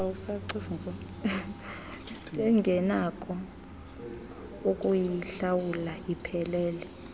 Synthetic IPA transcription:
saǀofŋko | ɛŋɡʱɛnakʼɔ | ukʼujiɬawulaʔipʰɛlɛːlɛ

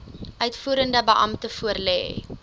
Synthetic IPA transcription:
ʔœɥtfuːəɾəndəbəʔɐmtəfuərlɛ̰ː

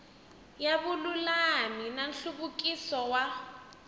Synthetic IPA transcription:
jaβululaminan̩ɬuβukʼisɔwa

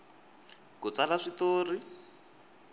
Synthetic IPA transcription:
kut͡salaʂit̪oːri

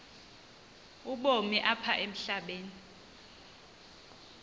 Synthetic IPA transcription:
uɓomiʔapʰaʔem̩ɬaɓeːni

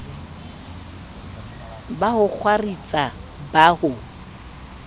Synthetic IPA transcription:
bahʊk͡xʰwarit͡sʼabahʊ

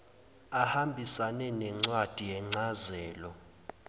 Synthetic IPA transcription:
ahambʱisanɛnɛŋ͡ǀwad̥ʱijɛŋ͡ǀazɛːlɔ

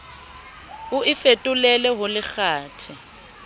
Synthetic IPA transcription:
ʊɪfetʼʊlɛlɛɦʊlɪk͡xaːtʰɪ

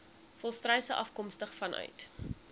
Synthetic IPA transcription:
fɔlˠstrɛjsəʔɐfkɔmstəχfɐnœ̰ɥt

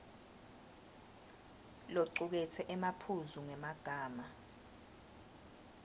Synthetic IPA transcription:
loǀuk̬ɛtʰɛʔɛmapʰuzuŋɛmaɡ̥ʱaːma

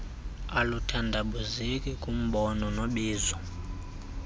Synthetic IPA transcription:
alutʰandʱaɓuzikʼikʼum̩ɓɔnɔnoɓiːzɔ

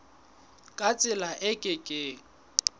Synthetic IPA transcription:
kʼat͡sʼɪlaʔɪkʼɪkʼɪ

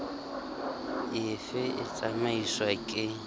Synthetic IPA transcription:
ɪfɪʔɪ̰t͡sʼamaiswakʼɪ

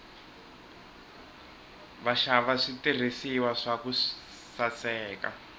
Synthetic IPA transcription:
βaʃaβaʂitir̤isiwaʂaku | sat͡sɛːka̰

